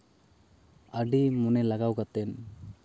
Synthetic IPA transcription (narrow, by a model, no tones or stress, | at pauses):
aɖimunɛlaɡawɡat̪ɛn